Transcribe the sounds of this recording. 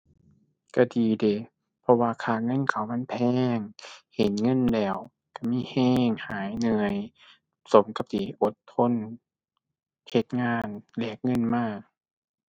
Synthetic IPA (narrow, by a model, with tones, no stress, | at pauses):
ka˧˩diː˨de˨˩˦ | pʰɔ˧waː˧kʰaː˧˩ŋɤ˧˥˨nkʰa˨˩˦wma˧˥˨npʰɛː˧˩ŋhe˨˦nŋɤ˧˥˨nlɛː˧˩w | ka˧˩miː˧˥˨hɛː˧˩ŋhaː˨˦jnɯ˧əj | so˨˦mka˧p̚t̪iː˨˦ʔo˨˦t̪ʰːo˧˥˨n | he˧˦t̪̚ŋaː˧˥˨nle˧˩k̚ŋɤ˧˥˨nmaː˧˩k̚